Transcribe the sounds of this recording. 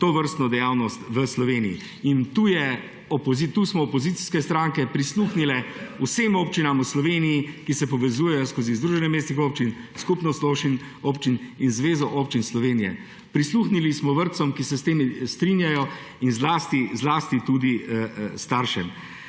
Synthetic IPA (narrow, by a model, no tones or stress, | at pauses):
t̪oːʋəɾst̪nɔd̪ɛjaːwnɔst̪ʋəslɔʋeːniḭ | int̪uːjɛ | ɔpɔzit̪uːsmɔːpɔzit̪si̥skɛst̪ɾaŋkɛpɾisluːxnilɛusemoːpt͡ʃinamuslɔʋeːnijikisɛpɔʋɛzuːjɛjɔskoːzizd̪ɾuːʒɛnɛmeːst̪nixoːpt͡ʃinskupnɔsloːwʃin | oːpt͡ʃininzʋeːzɔʔoːpt͡ʃinslɔʋeːnijɛ̰ | pɾisluːxnilismɔʋəɾt̪sɔmkisɛst̪eːmist̪ɾinjajɔ | inzlaːst̪izlaːst̪it̪ud̪ist̪aːɾʃɛm